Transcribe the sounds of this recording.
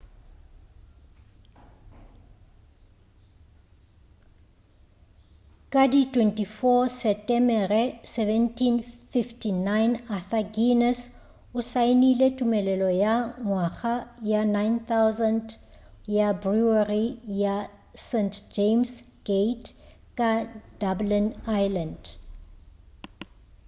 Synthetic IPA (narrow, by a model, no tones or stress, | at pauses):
kʼaditʰʼwɛntʼifɔsɛtʼɛmɛrɛsɛvɛntʰʼinfiftʰinajnaθaɡinɛs | ʊsainiletʼumɛlɛlɔjaŋwaɣajanajnθawzand | jabruarija | sentʰd͡ʒems | ɡ̥etʰ | kʼad̥ablinajland